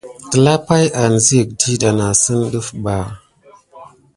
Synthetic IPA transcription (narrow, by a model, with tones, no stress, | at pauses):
tə˨la˦pa˦ja˨n˨zi˦ə˨k̚di˦ɗa˨na˨sə˦nɗə˦fɓa˨